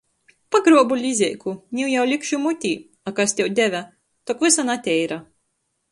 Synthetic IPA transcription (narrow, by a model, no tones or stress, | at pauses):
paɡɾɔbulʲizʲɛjkunʲiwjawlʲikʃumut̪ʲiː | akast̪ʲɛwd̪ʲævʲæ | t̪ɔkvɨsanat̪ʲɛjɾa